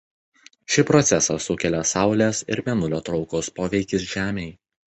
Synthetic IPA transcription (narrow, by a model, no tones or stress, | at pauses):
ʃʲɪpɾɔt̪sʲɛsɑsʊkʲɛlʲɛsɑˑʊlʲɛsɪ̰ɾmʲɛnʊlʲoːt̪ɾɒʊkɔspoːʋʲɛɪkʲɪs̬ʒʲæːmʲɛɪ